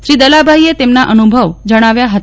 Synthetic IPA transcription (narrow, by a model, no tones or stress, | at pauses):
ʃɾid̪əlabʱaiet̪emnaʔənubʱəʋd͡ʒəɽ̃aʋjaɦət̪